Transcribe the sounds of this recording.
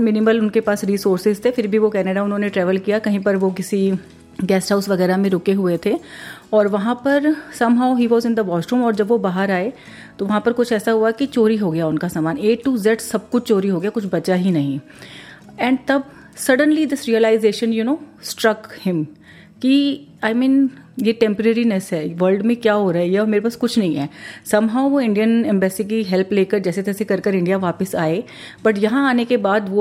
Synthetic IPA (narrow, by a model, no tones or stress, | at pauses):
mɪnɪməlʊnkepaːsɾiːsoːɾsɪzt̪ʰefɪɾbʱiʋokɛːneɖaʊnɦõːneʈɾɛːʋəlkijakɐɦĩpɐɾʋokɪsi | ɡɛːsɦaːʊsʋɐɣɛːɾamẽɾʊkeɦʊet̪ʰeɔːɾʋɐɦãpɐɾsɐmɦaʊɦiːʋɔːzɪ̃nd̪əʋɔːsʈɾũmɔːɾd͡ʒɐbʋobaːɦəɾaːe | t̪oʋɐɦãpɐɾkʊt͡ʃʰɛːsaɦuakit͡ʃoːɾiɦoːɡɐjaʊnkasaːmaːneːʈʈːuːzɛʈsɐb̚kʊt͡ʃʰt͡ʃoːɾiɦoːɡɐjakʊt͡ʃʰbɐt͡ʃaɦinɐɦĩ | ɛ̃ːɳɖt̪ɐb̚ | sɐɖə̃nlid̪ɪsɾiəlaːɪzeːʃə̃njunoːsʈɾɐkhɪ̃m | kiaːɪmĩːn | jeʈɛ̃mpəɾeɾinɛsɦɛːʋəɾlɖmẽkjaːɦoːɾaɦiɦɛɔːɾmeːɾepaːskʊt͡ʃʰnɐɦĩɦɛːsɐmɦaʊʋoɪ̃ɳɖijənɛ̃mbɛːsikiɦɛlpleːkəɾd͡ʒɛːset̪ɛːsekɐɾkəɾɪ̃ɳɖijaʋaːpɪsaːe | b̥ɐʈjɐɦãaːnekebaːd̪ʋo